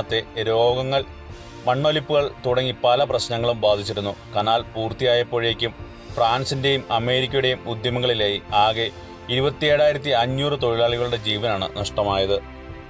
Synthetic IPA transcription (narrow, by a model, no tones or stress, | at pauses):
t̪ːe̞ɾo̞ːɡɐŋːɐɭ | mɐɳːo̞lipːuɣɐɭt̪uɽɐŋːipːɐlɐprɐɕnɐŋːɐɭumbaːd̪ʱit͡ɕːiɾunːukaːnaːlpuːrt̪ijaːjɐpːoːɻje̞ːkʲːum | fraːnsinde̞jumɐme̞ːɾik̬ʲːɐjuɽe̞jumud̪jɐmɐɣɐɭilaːjiaːɣe̞ | iɾubɐt̪ːieɻaːjiɾɐt̪̬ːiɐɲːuːrɨt̪o̞ɻilaːɭiɣɐɭuɽe̞d͡ʑiːʋɐnaːɳɨ̰nɐʂʈɐmaːjɐðɨ